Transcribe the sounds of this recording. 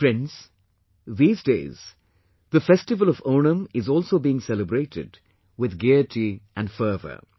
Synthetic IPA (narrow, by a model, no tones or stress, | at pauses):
fɾɛ̃ns | ðiːzdḛːz̥ | ðəfɛstɪʋəl̩ɔvoːnə̃mɪzɔːlˠsoːbiːɪ̃ŋsɛləbɾeːʈʰɪ̰d | wɪðɡɛʈʰiʔæ̃nfəːvə̰